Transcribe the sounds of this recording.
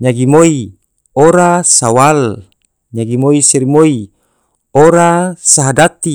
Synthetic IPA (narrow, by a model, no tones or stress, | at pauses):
ɲaɡimoi | oɾasawal | ɲaɡimoiseɾimoi | oɾasaɦadat̪i